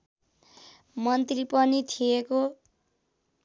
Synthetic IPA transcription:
mʌnt̪ripʌnit̪ʰijeko

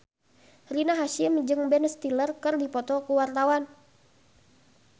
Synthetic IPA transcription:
rinaɦaʃɪmd͡ʒɨŋbɛnst̪ilərkɨrdipɔt̪ɔkuwart̪awan

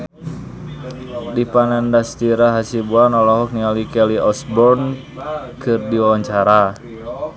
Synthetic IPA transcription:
dipanɛndast̪iɾaɦasibuanɔlɔɦɔk̚nialikɛliɔsbɔrn | kɨrdiwawaɲt͡ʃaɾa

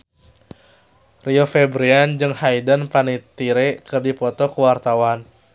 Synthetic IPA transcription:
riofɛbɾiand͡ʒɨŋhajdənpanit̪iɾekɨrdipɔt̪ɔkəwart̪awan

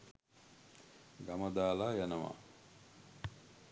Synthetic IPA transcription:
ɡaməd̪aːlaːjanəʋa̰

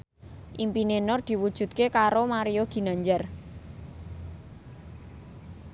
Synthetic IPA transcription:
ʔimpinenɔrd̪̥i̤wud̥ʒ̥ṳt̪̚kekaɾomaɾijoɡ̥i̤naɲd͡ʒar

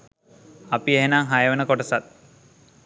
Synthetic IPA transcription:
apieɦenaŋɦajəʋenəkoʈəsat̪̚

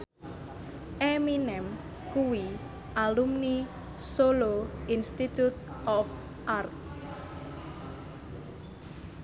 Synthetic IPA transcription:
ʔeminɛm | kuwi | ʔalumni | soloinst̪it̪ut̪̚ | ʔɔf | ʔart̪̚

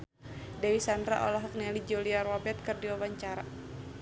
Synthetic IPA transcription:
dawisandɾa̰ʔɔ̰laɦɔk̚nɛlid͡ʒoliarwabɛt̪̚kɨrdiwawaɲt͡ʃaɾa̰

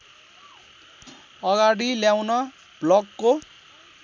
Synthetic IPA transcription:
ʌɡaɽiljawnʌ | b̥lʌɡko

